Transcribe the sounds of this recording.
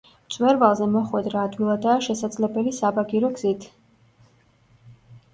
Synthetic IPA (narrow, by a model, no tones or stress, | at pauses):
t̪sʼwɛɾvalˠzɛmɔχwɛd̪ɾaːd̪wilˠad̪aːʃɛsad̪zlɛbɛlisabaɡiɾɔɡzit̪ʰ